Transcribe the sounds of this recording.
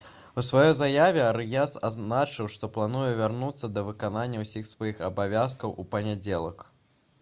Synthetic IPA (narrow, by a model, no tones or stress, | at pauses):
usvajɔjzajavʲɛaɾjasa̰znat͡ʂɨwʂt̪ɔplˠanujɛvʲarnut̪sːɐd̪ɐvɨkananʲːɐwsʲixsvajixɐbavʲaskɐwupɐnʲad͡zʲɛlˠɐk